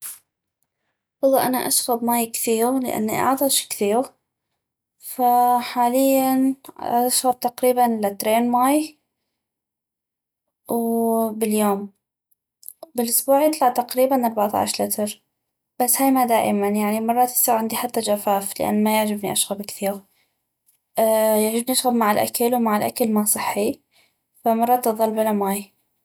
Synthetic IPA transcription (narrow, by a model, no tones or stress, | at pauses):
wɑlˤːɑʔanaʔaʃɣabmaːjkθiːɾlɪ̰ʔa̰nːḭʔɑ̰ʕd̪ˤɑʃkθiːɾ | faħaːlɪjːanaʃɣab̚t̪aqɾiːbanlat̪ɾeːnmaːj | wbɪljoːm | bɪlʔʊsbuːʕjɪt̪ˤlɑʕt̪aqɾiːbanʔɑɾˤbaʕt̪a̰ʕʃlɪt̪ʰɾ | b̥asːhaːjmad̪aːʔɪmanjaʕnimɑrˤːɑt̪sˤiːɣʕɪnd̪iħat̪ːad͡ʒafaːflɪ̰ʔa̰nːmajɪʕd͡ʒɪbniʔaʃɣabkθiːɣ | jɪʕd͡ʒɪbniʔaʃɣabmaʕɪlʔa̰kalwmaʕɪlʔa̰kalmaʕsˤɨħːi | famɑrˤːɑt̪ːɨðˤɑlbalamaːj